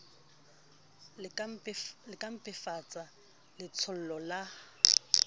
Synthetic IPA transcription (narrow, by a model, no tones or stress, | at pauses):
lɪkʼam̩pʼɪfat͡sʼa | lɪt͡sʰʊl̩lɔla